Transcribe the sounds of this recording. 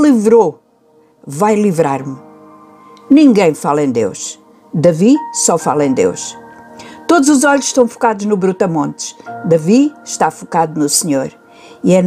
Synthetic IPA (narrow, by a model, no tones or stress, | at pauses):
lˠivɾo | vajlˠivɾaɾm | nĩŋɡɐ̃j̃falˠɐ̃ẽd̪ḛwʃ | d̪ɐvisɔfalˠɐẽj̃d̪ḛwʃ | t̪od̪uzuzɔʎuʃʃt̪ɐ̃w̃fu̥kaðuʒnuβɾut̪ɐmõnt̪ʃd̪ɐviʃt̪afukaðunusɲoɾ | iɛn